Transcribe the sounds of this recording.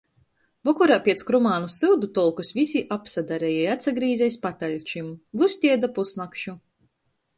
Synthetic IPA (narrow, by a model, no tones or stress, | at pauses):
vɔkɔɾaːpʲiɛt̪skɾumaːnusɨwd̪ut̪ɔlˠkusvʲisʲiʔapsad̪aɾɛjɛjat̪saɡɾiːzɛjspat̪alʲt͡ʃimɡˠusʲt̪ʲiɛd̪apusnakʃu